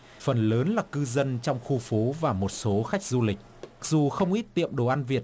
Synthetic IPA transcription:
fə˨˩nləː˨˦nlaː˨˩kɨ˧zə˧nt͡ɕɔ˧wŋ͡mxu˧fo˨˦vaː˨˩mo˨˩t̚so˨˦xa˦˥jk̟̚zu˧lï˨˩k̟̚ma˨˩k̚zu˨˩xə˧wŋ͡mʔi˦˥t̚t̪ḭ˧˨əmɗo˨˩ʔa˧nvi˨˩ət̚

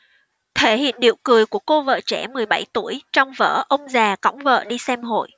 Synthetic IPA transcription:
t̪ʰe˧˩hḭ˧˨ənɗḭ˧˨əwkɨ˨˩əjku˧˩əko˧və̰ː˧˨t͡ɕɛ˧˩mɨ˨˩əjɓa˧˩jt̪u˧˩əjt͡ɕɔ˧wŋ͡mvə̰ː˧˥ʔə˧wŋ͡mzaː˨˩ka̰˧˥wŋ͡mvə̰ː˧˨ɗi˧sɛ˧mɦo̰˧˨j

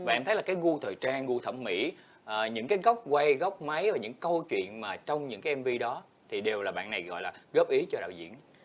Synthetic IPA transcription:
vaː˨˩ɛ˧mt̪ʰə˨˦jlaː˨˩kaː˨˦jɣu˧t̪ʰəː˨˩jt͡ɕaː˧ŋɣu˧t̪ʰə˧˩mmḭ˧˥ | ʔɲɨ̰˧˥ŋkaː˨˦jɣɔ˦˥wk͡p̚kwa˧jɣɔ˦˥wk͡p̚ma˨˦jvaː˨˩ɲɨ̰˧˥ŋkə˧wt͡ɕwḭ˧˨ənmaː˨˩t͡ɕɔ˧wŋ͡mɲɨ̰˧˥ŋkaː˨˦jʔɛ˧mvi˧ɗɔ˨˦ | t̪ʰi˨˩ɗe˨˩wlaː˨˩ɓa̰ː˧˨nːa˨˩jɣɔ̰˧˨jlaː˨˩ɣəː˦˥p̚ʔi˨˦t͡ɕɔ˧ɗa̰ː˧˨zḭ˧˨ən

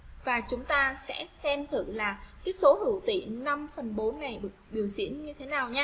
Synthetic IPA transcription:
vaː˨˩t͡ɕʊ˨˦ŋ͡mt̪aː˧sɛ̰˧˥sɛ˧mt̪ʰɨ̰˧˩˨laː˨˩k̪aː˨˦so˨˦hɨ̰˧˩wt̪ḭ˧˨na˧mfə˨˩nɓo˨˦nːa˨˩jɓɨ˨˩k̚ɓi˨˩əwsḭ˧˥ənɲɨ˧t̪ʰe˨˦naː˨˩wɲa˦˥

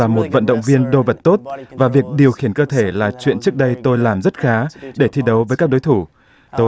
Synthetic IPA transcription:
aː˨˩mo˨˩t̚və̰˧˨nɗə̰˧˨wŋ͡mvi˧ənɗo˧və˨˩t̚t̪o˦˥t̚vaː˨˩vi˨˩ək̚ɗi˨˩əwxi˧˩ənkəː˧t̪ʰe˧˩laː˨˩t͡ɕwḭ˧˨ənt͡ɕɨ˦˥ək̚ɗə˧jt̪o˧jlaː˨˩mzə˦˥t̚xaː˨˦ɗe˧˩t̪ʰi˧ɗə˨˦wvəː˨˦kaː˦˥k̚ɗo˨˦jt̪ʰu˧˩ | t̪o˧

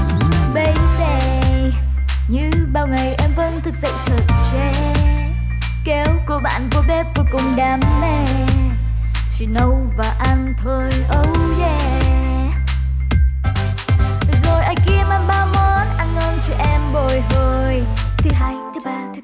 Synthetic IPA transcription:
ɓə˧˦jve˨˩ | ɲɨ̰˧˥ɓaː˨˩wŋa˨˩jʔɛ˧mvə̰˧nt̪ʰɨ˨˩k̚zə̰˧˨ŋt̪ʰə˨˩t̚t͡ɕɛ˧˦ | kɛ˨˦wku˧˩əɓa̰ː˧˨nku˧˦ɓɛ˦p̚vo˧jkʊ˨˩ŋ͡mɗaː˨˦mːɛ˨˩ | t͡ɕḭ˧˨nə˨˧wvaː˨˩ʔa˧nt̪ʰo˧˩jʔə˨˦wzɛ˧˩ | zo˨˩jʔa˧jki˧əmʔa˧nɓaː˧wmɔ˨˦nʔa˧nŋɔ˧nt͡ɕɔ˧ʔɛ˧mɓo˨˩jɦo˨˩jt̪ʰi˨˩ɦa˧jt

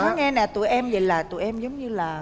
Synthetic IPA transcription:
ɔ˨˦ŋɛ˧nɛ˨˩t̪ṵ˧˩˨jʔɛ˧mzə˨˩laː˨˩t̪ṵ˧˩˨ʔɛ˧mzə˨˦wŋ͡mɲɨ˧laː˨˩

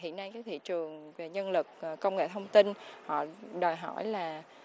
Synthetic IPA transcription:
ɦḭ˧˨ənːa˧jkaː˨˦jt̪ʰḭ˧˨t͡ɕɨ˨˩əŋve˨˩ɲə˧nlɨ˨˩k̚kə˧wŋ͡mŋḛ˧˨t̪ʰə˧wŋ͡mt̪i˧nhɔ̰˧˨ɗɔ˨˩jɦɔ̰˧˩jlaː˨˩

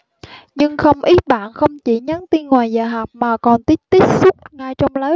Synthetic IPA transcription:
ɲɨ˧ŋxə˧wŋ͡mʔi˨˦˥t̚ɓa̰ː˧˨nxə˧wŋ͡mt͡ɕi˧˩ɲa˨˦nt̪i˧nŋwaː˨˩jzəː˨˩ɦa˨˩p̚maː˨˩kɔ˨˩nt̪i˦˥p̚t̪i˦˥k̚sʊ˦˥k͡p̚ŋa˧jt͡ɕɔ˧wŋ͡mləː˨˦

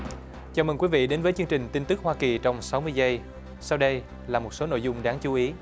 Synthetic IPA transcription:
t͡ɕaː˨˩məː˨˩ŋkwi˨˦vḭ˧˨ɗe˨˦nvəː˨˦jt͡ɕɨ˧əŋt͡ɕï˨˩ŋ̟t̪i˧nt̪ɨ˦˥k̚hwaː˧ki˨˩t͡ɕɔ˧wŋ͡msa˨˦wmɨ˧əjzə˧j | sa˧wɗə˧j | laː˨˩mo˨˩t̚so˨˦no̰˧˨jzʊ˧ŋ͡mɗaː˨˦ŋt͡ɕu˨˦ʔi˨˦

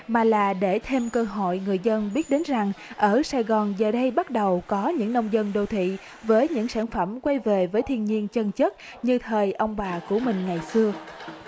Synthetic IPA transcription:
maː˨˩laː˨˩ɗe˧˩t̪ʰe˧mkəː˧ɦo̰˧˨jŋɨ˨˩əjzə˧nɓi˦˥ət̚ɗe˨˦nza˨˩ŋʔəː˧˩saː˧jɣɔ˨˩nzəː˨˩ɗə˧jɓa˦˥t̚ɗə˨˩wkɔ˨˦ɲɨ̰˧˥ŋnə˧wŋ͡mzə˧nɗo˧t̪ʰḭ˧˨ | vəː˨˦jɲɨ̰˧˥ŋsaː˧˩nfə˧˩mkwa˧jve˨˩vəː˨˦jt̪ʰi˧ənɲi˧ənt͡ɕə˧nt͡ɕə˦˥t̚ | ɲɨ˧t̪ʰəː˨˩jʔə˧wŋ͡mɓaː˨˩ku˧˩əmï˨˩ŋ̟ŋa˨˩jsɨ˧ə

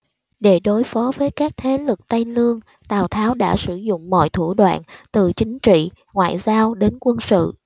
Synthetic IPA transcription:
ɗe˧˩ɗo˨˦jfɔ˨˦vəː˨˦jkaː˦˥k̚t̪ʰe˨˦lɨ˨˩k̚t̪a˧jlɨ˧əŋ | t̪aː˨˩wt̪ʰaː˨˦wɗa̰ː˧˥sɨ˧˩zʊ̰˧˨ŋ͡mmɔ̰˧˨jt̪ʰu˧˩əɗwa̰ː˧˨nt̪ɨ˨˩t͡ɕï˨˦ŋ̟t͡ɕḭ˧˨ | ŋwa̰ː˧˨jzaː˧wɗe˨˦nkwə˧nsɨ̰˧˨

